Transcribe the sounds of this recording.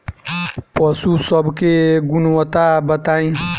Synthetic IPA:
pəsusəbʱkeɡunwət̪abət̪aĩ

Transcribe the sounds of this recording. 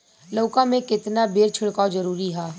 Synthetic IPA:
loːkãmẽkɪt̪nabeːɾt͡ʃʰɪɽkaːd͡ʒɐɾuːɾiɦaː

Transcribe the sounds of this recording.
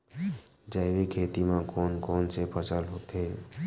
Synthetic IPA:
d͡ʒaɪʋekʰeːt̪imãkoːnkoːnsepʰət͡ʃəlɦoːt̪eː

